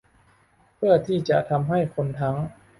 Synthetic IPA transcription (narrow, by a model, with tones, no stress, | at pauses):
pʰɯ˥˩ɐət̪ʰiː˥˩t͡ɕa˨˩t̪ʰa˧mɦa˥˩jkʰo˧nt̪ʰa˦˥ŋ